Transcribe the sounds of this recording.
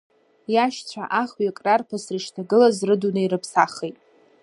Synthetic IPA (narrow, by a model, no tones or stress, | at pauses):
jaʃt͡sʷʰa̰ʔaχɥakʼrarpʰasrɨʃtʰaɡɨlazrɨdunɨiɾɨpʰsaχejtʼ